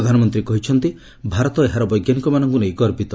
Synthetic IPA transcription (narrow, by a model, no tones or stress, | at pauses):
d̪ʱanɔmɔnt̪ɾikɔɦit͡ʃʰɔnt̪i | bʱaɾɔt̪ɔeɦaɾɔbɔjɡjanikɔmanɔŋkunejkɔɾpit̪ɔ